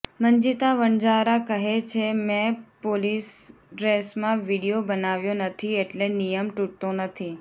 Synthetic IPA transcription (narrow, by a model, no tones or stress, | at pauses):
məɲd͡ʒit̪aʋəɳd͡ʒaɾakəɦet͡ʃʰemɛ̃polis | ɖɾesmãʋiɽijobənaʋjonət̪ʰieʈlenijəmʈuʈt̪onət̪ʰi